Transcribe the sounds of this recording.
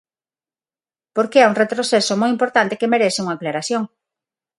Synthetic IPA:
poɾkeauŋret̪ɾoθesomojimpoɾt̪ant̪ekemeɾeθɪuŋaeklaɾaθjoŋ

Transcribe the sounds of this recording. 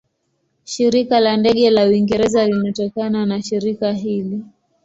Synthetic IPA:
ʃiɾikalandɛɠɛlawiŋɡɛɾɛzalinatɔkananaʃiɾikaɦili

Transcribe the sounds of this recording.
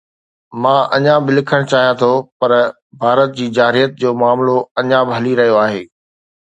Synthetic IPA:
mãːʔɐ̰ɲãbɪlɪkʰəɽ̃t͡ɕaːɦijãt̪ʰopɐɾ | bʱaːɾət̪̚d͡ʑiːd͡ʑaːɾijət̪̚d͡ʑoːmʊaːmloɐɲãːbɪɦɐliɾɐɦijoaːɦeː

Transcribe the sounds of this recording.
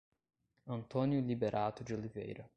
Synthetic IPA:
ənt̪onjulʲibeɾʔat̪ud͡ʒulʲivʲḛjɾə

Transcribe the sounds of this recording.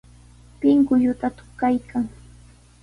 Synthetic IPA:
pɪŋkʊjʊt̪at̪ʊ̥χkajkʰaŋ

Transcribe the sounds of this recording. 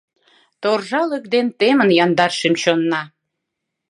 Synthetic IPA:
t̪orʒɑləkd̪ent̪emənjɑnd̪ɑrʃimt͡ɕonːɑ

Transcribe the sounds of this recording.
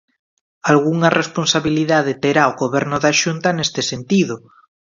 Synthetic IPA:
alɣuŋarʔesponsaβiliðað̞et̪eɾaoɣoβɛɾnʊðaʃunt̪anest̪esent̪iðʊ

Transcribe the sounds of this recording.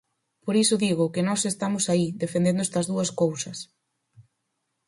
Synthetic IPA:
poɾisʊðiɣʊkɪnɔsest̪amʊsaiðefend̪end̪ʊest̪ɐzðuɐskowsɐs

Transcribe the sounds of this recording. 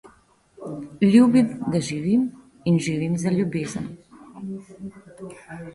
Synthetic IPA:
lʲjuːbimd̪aʒiʋiːm | inʒiʋimzaljubeːzən

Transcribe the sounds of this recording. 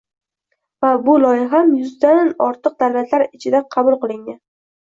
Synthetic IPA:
vabʊlɒjɪɦamjʊzd̪anɒɾt̪ʰɨq̚d̪alvat̪ʰlaɾɪt͡ʃʰɪd̪aqʰɑbʊlˠqɨlˠɪŋɡan

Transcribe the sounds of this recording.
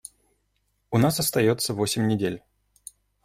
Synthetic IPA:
ʊnasɐst̪ɐjot̪sːəvosʲɪmʲnʲɪdʲelʲ

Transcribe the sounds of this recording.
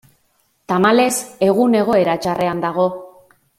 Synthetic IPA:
t̪amale̞se̞ɣ̞une̞ɣ̞o̞e̞ɾat͡ʃarʔe̞and̪aɣ̞o̞

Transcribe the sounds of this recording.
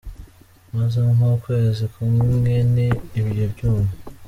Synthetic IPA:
mazaŋukweːzikumimɡeniːβijobɟuːmu

